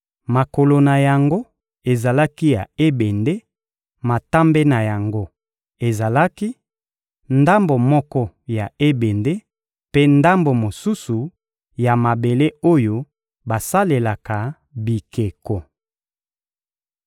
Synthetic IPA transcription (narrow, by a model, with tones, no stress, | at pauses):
ma˨ko˨lo˨na˨ja˨ŋɡo˦ | e˨za˨la˦ki˦ja˨e˦be˨nde˦ | ma˨ta˦mbe˦na˨ja˨ŋɡo˦ | e˨za˨la˦ki˦ | nda˦mbo˨mɔ˦kɔ˦ | ja˨e˦be˨nde˦ | pe˦nda˦mbo˨mo˨su˦su˨ | ja˨ma˨be˨le˦o˦jo˦ | ba˨sa˦le˨la˨ka˨ | bi˨ke˨ko˨